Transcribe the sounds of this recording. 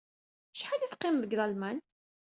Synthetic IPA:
ʃħaliθqːɪmðəɡðɑlmæn

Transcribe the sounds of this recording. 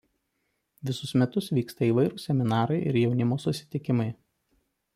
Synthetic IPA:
ʋʲɪsʊsmʲɛt̪ʊsʋʲiːkst̪ɐiːˑʋɐɪɾuːsʲɛmʲɪnɑːɾɐɪʔɪ̰ɾjɛʊnʲɪmoːsʊsʲɪ̥t̪ʲɪkʲɪmɐɪ

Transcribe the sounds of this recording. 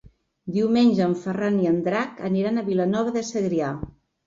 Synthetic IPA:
d̪iwmenʲʒəːɱfəraniənd̪ɾakə̰niɾanəβilənɔβəðəsəɣɾia

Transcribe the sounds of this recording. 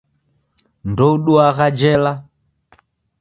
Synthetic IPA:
ndɔuɗuaɣad͡ʒɛla

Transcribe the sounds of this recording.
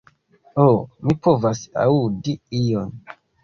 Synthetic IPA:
omipovasa̰udiijon

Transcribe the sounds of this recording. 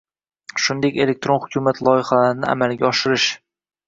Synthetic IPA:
ʃʊnd̪e̞kʲe̞lek̚t̪ɾonχʊkʲʰʊmat̪ʰlˠɒjɪχalaɾɪnɪa̰malɡʲaɒʃɪɾɪʃ

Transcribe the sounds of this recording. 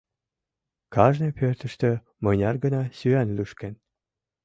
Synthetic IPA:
kɑʒnepʰørt̪ə̆ʃt̪ø̆ | mɤjnʲɑrɡə̆nɑsyænlyʃken

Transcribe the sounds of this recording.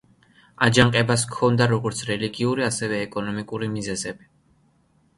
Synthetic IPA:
ad͡ʒaŋqʼɛbas̬kʰɔnd̪aɾɔɡɔɾt̪sʰɾɛliɡiuɾiasɛvɛːkʼɔnɔmikʼuɾimizɛzɛbi

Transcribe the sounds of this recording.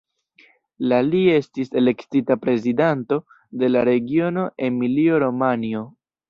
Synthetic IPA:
lalie̞stise̞le̞ktitapɾe̞zidanto̞ | de̞laɾe̞ɡio̞no̞ʔe̞nmilio̞ɾo̞manio̞

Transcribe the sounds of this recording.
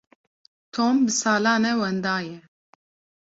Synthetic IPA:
t̪ʰoːmbɨsaːlɑːnɛwɛnd̪aːjɛ

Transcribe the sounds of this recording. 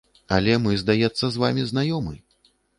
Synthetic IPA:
ɐ̰lʲɛmɨzd̪ajɛt̪sːɐzva̰mʲiznajɔmɨj

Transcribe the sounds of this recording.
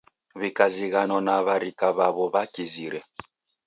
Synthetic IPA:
βikaziɣanɔnaβaɾikaβaβɔβakiziɾɛ

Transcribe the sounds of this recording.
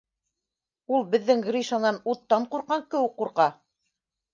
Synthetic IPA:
ulˠbɘ̆ðːɘŋɡɾʲiʃanɑnut̪ːɑɴquɾqɑŋkɘ̆wɘk̚quɾqɑ

